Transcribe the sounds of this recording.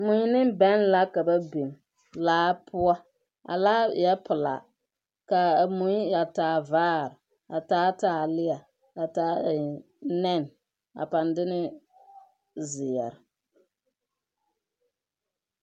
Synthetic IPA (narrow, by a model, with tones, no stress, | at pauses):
mʊ˨ɲ˦nɪ˦bɛ˦n˦la˦ka˨ba˦be˨m | laː˦pʊ˦a˦ | a̰˨laː˦jɛ˦pʊ˨la̰˨ | ka˨mu˨˦ja˨taː˨˦vaː˦ɾɪ˨ | a˨taː˦taː˨˦lɪ˦a˨ | a˨taː˦˨ | nɛ˦˨n˨ | a̰˨pa˨ndɪ˦nɪ˦ | zɪ˨jɛ̰˨ɾɪ˨